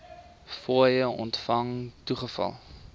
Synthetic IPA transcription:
fuəjəɔ̰ntfɐŋtuχəfɐ̰lˠ

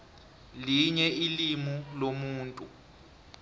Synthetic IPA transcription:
liɲɛilimulomuːntʼu

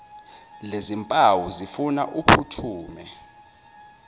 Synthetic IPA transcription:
lezimpʼawuzifuna̰ʔupʰutʰuːmɛ

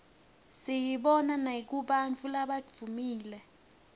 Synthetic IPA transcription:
sijiɓɔnanek̬uɓant͡fʰulaɓad͡v̪̥ʱumiːlɛ

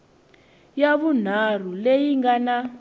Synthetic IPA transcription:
jaβun̤ar̤ulejiŋɡana

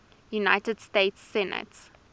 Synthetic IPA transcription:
junaɪtəd̥steɪtsːɛnə̰ts

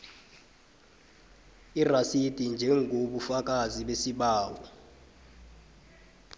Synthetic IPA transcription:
irasid̥ʱind͡ʒʱɛŋɡʱoɓufak̬ʼaziɓesiɓaːwɔ

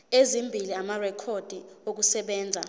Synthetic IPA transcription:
ezimbʱiliamarɛkʰod̥ʱiok̬usɛɓɛːnd͡zʱa

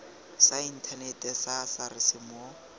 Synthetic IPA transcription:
sain̩tʰanɛtʼɛsasarɪsɪmɔ

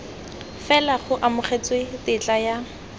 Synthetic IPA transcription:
fɛlaχʊʔamʊχet͡swetɪt͡ɬʼaja

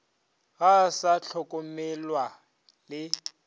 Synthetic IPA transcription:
ɣasaɬʰɔkʼɔmɛlwa | lɪ

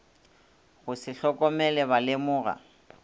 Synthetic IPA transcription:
ɣʊsɪɬɔkʼɔmɛlɛbalɪmʊːɣa̰

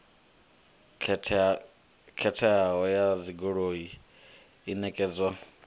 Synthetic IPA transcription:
kʰɛtʰɛaɦɔjaziɡoɺoiː | nɛkʼɛːd͡zwa

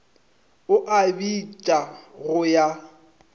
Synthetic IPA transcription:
ʊʔabit͡ʃʼaɣʊja

